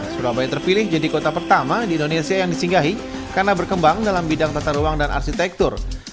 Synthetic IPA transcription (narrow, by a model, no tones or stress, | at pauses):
suɾabajt̪ərpilɪhd͡ʒadikot̪apərt̪amadiːndonesiajaŋdisiŋɡaɦi | karnabərkəmbaŋdalambidaŋt̪at̪aɾuwaŋdanʔa̰rʃit̪ɛk̚t̪ʊr